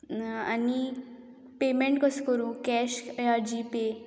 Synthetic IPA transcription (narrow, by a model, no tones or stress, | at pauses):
a̰ni | pemeɳʈkɔskɔɾũkɛɕeaɾd͡ʑipe